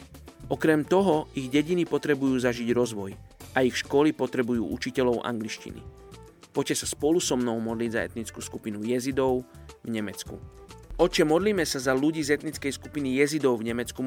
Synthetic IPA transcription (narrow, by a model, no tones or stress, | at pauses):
ʔɔkɾɛmt̪ɔɦɔiɣɟɛɟinipɔt̪ɾɛbujuːzaʒiɟɾɔzʋɔjʔaixʃkɔlipɔt̪ɾɛbujṵːʔut͡ʃicɛʎɔʊʔa̰ŋɡliʃcḭnḭ | pɔcɛsaspɔlusɔmnɔʊmɔd̪liːɟzaɛ̰t̪nit͡skuːskupinujɛzid̪ɔʊvɲɛmɛt͡skṵɔt͡ʃɛmɔd̪liːmɛsazaluɟiːzɛt̪nit͡skɛjskupinijɛzid̪ɔʊvɲɛmɛt͡sku